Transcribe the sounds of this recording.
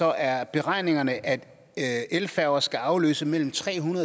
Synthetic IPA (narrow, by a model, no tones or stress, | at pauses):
ɒ̽ʔæɐb̥e̝ʁɑ̈ɪ̰ne̝ŋɐnəʔæd̥ | elfæɐʊɐsɡ̥æɑ̈ʊlø̰ːsəmel̰m̩t͡sʰʁɛ̰ːɦunɐðˠ